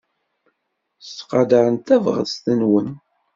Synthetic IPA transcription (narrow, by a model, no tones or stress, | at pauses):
st̪qɑd̪əɾənt̪ævʁə̰ðst̪ənwən